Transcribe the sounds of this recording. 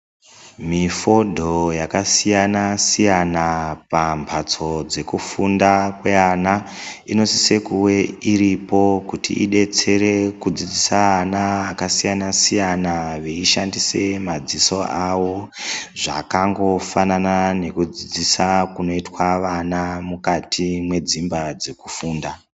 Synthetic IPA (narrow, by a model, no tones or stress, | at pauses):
mifo̞dʱojakasijanasijanapambʰʱat͡so̞d͡ze̞kufundakwe̞anaino̞sise̞kuwe̞iɾipo̞kutḭʔḭɗe̞t͡se̞ɾe̞kud͡zid͡zisaːnaːkasijanasijanaʋeiʃandise̞mad͡ziso̞ʔawo̞ʐa̰kaŋɡo̞fananane̞kud͡zid͡zisakuno̞itwaʋanamukatimwe̞d͡zimbad͡ze̞ku̥fuːnda